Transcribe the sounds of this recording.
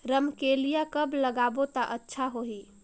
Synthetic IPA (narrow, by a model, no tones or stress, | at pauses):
ɾəmkelijakəbləɡabot̪əʔətːʃʰaɦoɦi